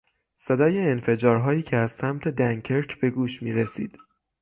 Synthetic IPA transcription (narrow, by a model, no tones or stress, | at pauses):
se̞d̪ɒːje̞ːnfe̞d͡ʒɒːɾɦɒːjiːcʰeæz̥sæmt̪ʰe̞d̪æŋkʰeɾcʰb̥e̞ɡuːʃmiːɾesḭːd̪̥